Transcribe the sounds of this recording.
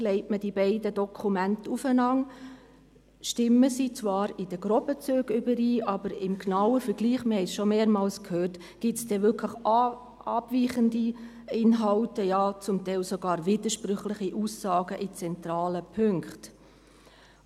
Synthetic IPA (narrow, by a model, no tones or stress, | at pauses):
lɛɪtmədibɛɪdədɔkʰumæntufənɑŋ | ʃtɪmːəsit͡sʋɑːɾɪd̥əɡɾɔbət͡søːɡ̥ʏbəɾiːɑbəɾɪmknɑwəfəɾɡ̥liːχməhɛɪsʃɔmeːɾmɑːlskʰhøːɾt | ɡ̥ɪsd̥ɛvʏkʰləχ | ɑb̥viːχəndi | ɪnɦɑʊtəjɑːt͡sʊmtɛɪlsoɡɑːɾvid̪əʃpɾʏχlɪχiʔuːsːɑːɡəʔit͡sɛntɾɑːləpʰʏŋkχt